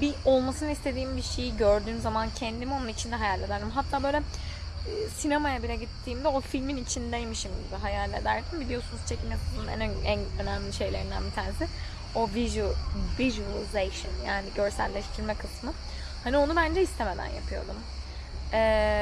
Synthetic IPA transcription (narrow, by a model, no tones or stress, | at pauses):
bio̞lˠmasɯnaist̪ʰe̞d̪iːmbiʃejiɟøɾd̪yːmzamancʰɛnd̪imio̞nunit͡ʃʰind̪ɛɦajalʲːed̪æɾd̪imɦat̪ʰːaːbø̞jlʲɛː | sinemajabiɾʲɛɟit̪ʰːiːmd̪ɛo̞filʲminit͡ʃʰind̪ɛjmiʃimd̪iɦajalʲːḛd̪æɾd̪imbilʲijo̞sunuz̥t͡ʃʰecmmɛkʰɯ̥sunɛ̰nnɛnø̞næmlʲiʃe̞jlʲe̞ɾind̪æ̰nbit̪ʰaːnesi | o̞viʒviʒualizejʃɯnja̰ːniɟø̞ɾsæ̰lʲlʲeʃt̪ʰiɾmɛkʰɯsmɯ | hanio̞nubænd͡ʒɛist̪ʰeme̞d̪æ̰nja̰pʰɯjo̞̰d̪um | ɛː